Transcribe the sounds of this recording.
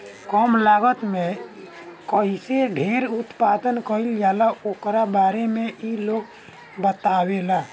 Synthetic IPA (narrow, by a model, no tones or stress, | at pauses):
kɔmlaːɡət̪me | kəiseɖʱeɾut̪pad̪ənkəiljalaoːkɾabaːɾemeʔiloːɡ | bət̪awela